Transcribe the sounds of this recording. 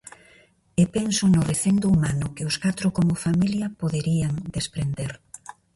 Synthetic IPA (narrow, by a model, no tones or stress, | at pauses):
epensʊnʊreθend̪oumanʊkɪʊskat̪ɾʊkomʊfamiljɐpoðeɾiaŋd̪espɾend̪eɾ